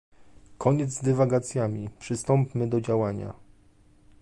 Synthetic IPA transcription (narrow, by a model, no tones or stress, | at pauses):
kʰɔɲɛd̪zd̪ɛvaɡat̪sʲjamʲipʂɘst̪ɔmpmɘd̪ɔd͡ʑawaɲa̰